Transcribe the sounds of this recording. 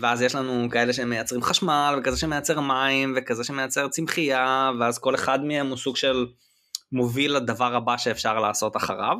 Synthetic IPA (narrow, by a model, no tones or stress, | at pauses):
veazjeʃlanukae̞leʃeemejat͡sʁimχaʃmalvekazeʃeme̞jat͡seʁmaimvekazeʃemejat͡se̞ʁt͡simχijaveazko̞le̞χad̪meemusuɡʃel | movilad̪avaʁabaʃeːfʃaʁlaːso̞t̪aχa̰ʁa̰v